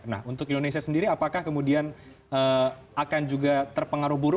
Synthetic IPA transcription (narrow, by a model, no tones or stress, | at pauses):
na̰hunt̪ʊkindonesiasəndiɾiapakahkəmudian | əakand͡ʒuɡat̪ərpəŋaɾʊhbuɾʊ